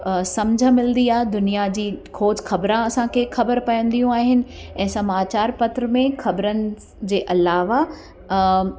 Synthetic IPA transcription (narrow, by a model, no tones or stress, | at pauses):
sɐmd͡ʑʱəmɪln̆d̪iaːɦed̪ʊnijad͡ʑiːkʰoːt͡ɕxʰɐbɾãɐsãkʰexʰɐbəɾpɐjə̃nd̪ijũaːɦɪnɪ̆ɛ̃ːsɐmaːt͡ɕaːɾpɐt̪ɾəmẽxɐbɾənɪ̆ | d͡ʑeːʔɐlaːʋa